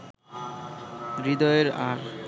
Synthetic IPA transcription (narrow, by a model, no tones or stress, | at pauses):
ɾid̪ɔeɾaɾ